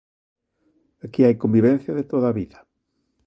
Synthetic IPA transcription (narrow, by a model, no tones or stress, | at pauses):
akiajkombiβɛ̃n̟θjaðet̪oðaβiðɐ